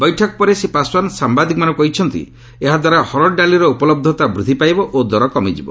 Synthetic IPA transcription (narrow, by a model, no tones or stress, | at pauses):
bɔjʈʰɔkɔpɔɾesepaswansambad̪ikɔmanɔkɔɦit͡ʃʰɔnt̪ḭ | eɦad̪waɾahɔɾɔɖaliɾɔupɔlɔb̚d̪ʱɔt̪abɾut̪ipajbɔʔod̪ɔɾɔkɔmid͡ʒibɔ̰